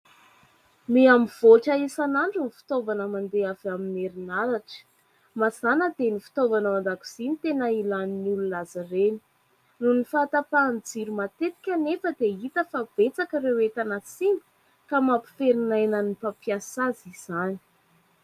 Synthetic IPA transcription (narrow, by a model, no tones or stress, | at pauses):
meamiv̥oʈ͡ʂaisanaɳɖ͡ʐunifi̥t̪ovanəmand̪eavamineɾinaɾaʈ͡ʂə̥ | mazanəd̪enifi̥t̪ovanəmand̪aku̥z̥init̪enəilaninululazəreni̥ | nunifat̪apand͡ziɾumat̪et̪i̥kʲənefəd̪eit̪əfab̥et͡sakəɾewet̪anasimu̥ | kamapi̥feɾinajnanipapijasaziz̥ani̥